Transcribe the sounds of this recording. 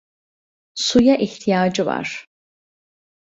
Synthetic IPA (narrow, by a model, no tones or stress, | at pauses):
sujaʔiçt̪ʰijaːd͡ʒɯva̰ɾ̥